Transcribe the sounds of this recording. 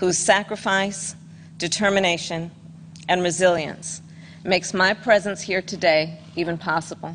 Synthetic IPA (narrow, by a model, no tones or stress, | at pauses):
huz̥sækɹɨfaɪs | d̥ɨtʰɜ˞mɨneɪʃɨ̃n | ɨ̃nɹɨzɪlˠjɨ̰̃ns | meɪksmaɪpʰɹ̥ɛzɨ̃nshiɹɾʰɨdeɪ | ivɨ̃npʰɑsəbl̩ˠ